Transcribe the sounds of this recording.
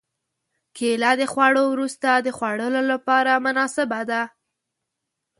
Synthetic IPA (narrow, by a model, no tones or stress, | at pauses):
kelad̪əxwaɽowɾust̪ad̪əxwaɽəlolapɑɾamʊnɑsɪbad̪a